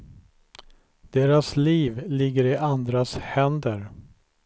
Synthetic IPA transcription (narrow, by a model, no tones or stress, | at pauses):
d̪̥eːɾasliːvlɪɡːəɾɪʔand̪ɾashɛnd̪əɾ